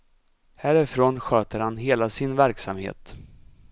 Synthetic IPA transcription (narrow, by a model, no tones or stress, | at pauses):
hæːɾɪfɾoːnɧøːt̪əɾhanɦeːlasɪnvæɾksamhḛːt̪